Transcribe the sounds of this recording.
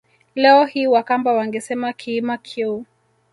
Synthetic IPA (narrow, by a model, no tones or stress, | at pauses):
lɛɔhiwakambawaŋɡɛsɛmakʰiːmakʰiu